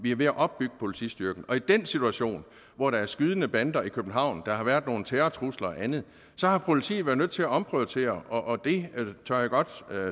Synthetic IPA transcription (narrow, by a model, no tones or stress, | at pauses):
ʋiæɐʋe̝æʔɒ̽b̥ːyɡ̥ə̥pʰo̝lit͡sʰḭsd̥yɐɡ̥n̩ɒ̽id̥ensit͡sʰuæɕo̝̰ːn | ʋɒɾ̥ɑ̈æɐsɡ̥yːð̞ˠənəb̥ænd̥ɐikʰøb̥n̩ɦɑ̈ʊ̰nd̥ɑ̈ɦɑ̈ʋæɐd̥ˠno̝ːn̩t͡sʰeːɐt͡sʰʁuslɐɒʔænð̩ˠ | sɒ̽hɑ̈pʰo̝lit͡sʰḭːʋæɐnøð̰ˠt͡sʰe̝læɒ̽mpʰoðt͡sʰe̝̰ːɐɒ̽ʔːd̥e̝t͡sʰøɐ̰jæɡ̥ɒ̽d̥